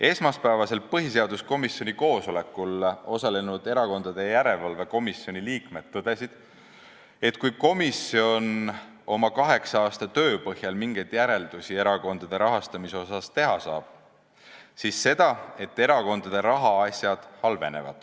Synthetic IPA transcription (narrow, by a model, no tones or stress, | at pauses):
e̞smɑspæevɑse̞lpɤɦis̬e̞ɑd̪̥usko̞misjo̞nʲiko̞ːso̞le̞kːˑulo̞sɑle̞nud̪̥e̞ɾɑko̞nd̪ɑd̪̥e̞jæɾe̞lvɑlveko̞misːio̞nʲiliːkme̞d̪̥ːɤd̪̥e̞sid̪̥ | e̞t̪kujko̞misio̞n | o̞mɑkɑɦe̞ksɑɑːst̪ɑt̪ø̞ːpɤhjɑlmiŋɡejd̪̥jæɾe̞ld̪̥usie̞ɾɑko̞nd̪̥ɑd̪̥e̞ɾɑɦɑst̪ɑmiseo̞sɑst̪e̞ɦɑsɑ̰ːb̥ | sisːe̞d̪̥ɑe̞t̪ːe̞ɾɑko̞nd̪̥ɑd̪̥e̞ɾɑɦɑɑsʲjɑd̪̥hɑlve̞ne̞̰vɑ̰d̪̥